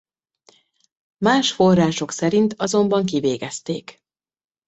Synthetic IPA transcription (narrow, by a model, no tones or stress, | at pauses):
maːʃfo̞rːaːʃo̞ksɛɾint̪ɒzo̞mbɒŋkiveːɡɛst̪eːk